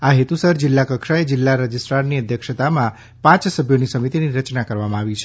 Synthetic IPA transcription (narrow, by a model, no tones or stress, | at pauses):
aɦet̪usəɾd͡ʒɪlːakəkʃaed͡ʒɪlːaɾəd͡ʒisʈɾaɾniəd̪ʱjəkʃət̪amã | pãt͡ʃsəbʱjonisəmit̪iniɾət͡ʃnakəɾʋamãaʋit͡ʃʰe